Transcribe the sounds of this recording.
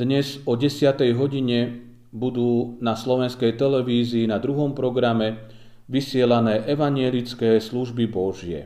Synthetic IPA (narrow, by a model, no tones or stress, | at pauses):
d̪ɲɛzɔɟɛsɪat̪ɛjɦɔɟiɲɛ | bud̪uːnaslɔʋɛnskɛjt̪ɛlɛʋiːziːnad̪ɾuɦɔmpɾɔɡɾamɛ | ʋisɪɛlanɛːʔɛʋaɲjɛlit͡skɛːsluʒbibɔʒɪɛ̰